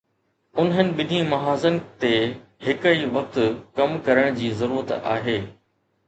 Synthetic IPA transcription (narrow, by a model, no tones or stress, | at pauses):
ʊnɦənɪ̆ɓɪnĩmɐɦaːzənɪ̆t̪ehɪkəiʋɐk̚t̪ʊkɐmkɐɾəɽ̃d͡ʑiːzɐɾuːɾət̪a̰ːɦeː